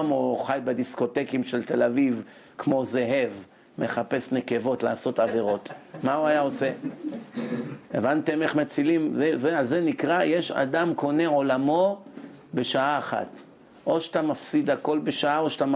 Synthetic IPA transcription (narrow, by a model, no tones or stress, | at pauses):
moχajbed̪isko̞t̪e̞kimʃelt̪e̞laviv | kmo̞ze̞ɦe̞v | me̞χape̞sneke̞vo̞t̪laːso̞t̪ave̞ʁo̞t̪mauajao̞se̞ | ḛvant̪e̞meχmat͡silimzezealze̞nikʁajeʃa̰d̪amko̞ne̞ʕo̞lamo̞ | beʃaaːχa̰t̪ | ʔo̞ʃat̪amafsid̪ako̞lbeʃaaoʃat̪am